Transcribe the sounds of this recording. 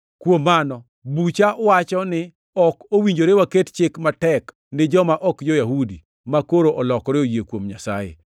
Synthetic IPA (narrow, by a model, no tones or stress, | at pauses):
kwomːanɔ | but͡ʃaʔɔwat͡ʃɔnɪ | ɔkowiɲd͡ʒoɾewakett͡ʃɪkmatɛk | nɪd͡ʒɔmaʔɔkjojaɦudi | makoɾoʔɔlɔkɔɾeojekwomɲasa̰jḛ